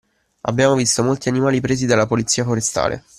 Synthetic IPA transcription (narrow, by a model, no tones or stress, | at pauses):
a̰bːjaːmovist̪omolt̪ianimaːlipɾeːzid̪alːapolit̪sːiːafoɾest̪a̰ːlʔḛ